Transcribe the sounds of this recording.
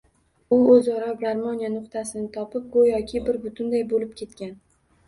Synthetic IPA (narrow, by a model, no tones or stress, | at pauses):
ʊɵzɒɾɒbɾaɾmɒnijanʊqt̪ʰasɪnɪt̪ʰɒpɪp̚ɡojɒkʲʰɪbɪɾbʊt̪ʰʊnd̪ajbolɪp̚kʲʰe̞t̪kʲan